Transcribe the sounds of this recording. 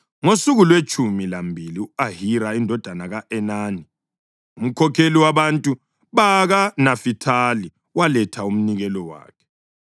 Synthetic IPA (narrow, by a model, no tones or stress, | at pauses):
ŋosuɣulwet͡ʃʰʼumilambʱiliuaɦiɾaindʱɔd̥ʱanaɣaʔɛnaːni | um̩kʰɔkʰeliwaβantʼu | βaɣanafitʰali | walɛtʰaum̩niɣɛlɔwa̰ːkʰɛ̥